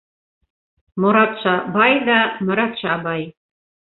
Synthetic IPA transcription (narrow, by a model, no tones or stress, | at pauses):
moɾɑt̪ʃɑbɑjd̪ɑmɤ̆ɾɑt̪ʃɑbɑj